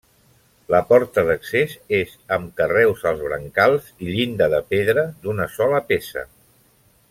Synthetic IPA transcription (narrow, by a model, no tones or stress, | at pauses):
ləpɔɾt̪əðəksezezəmkərɛwzəlˠzβɾə̰ŋkalˠziʎind̪əðəpeðɾəd̪unəsɔləpesə̰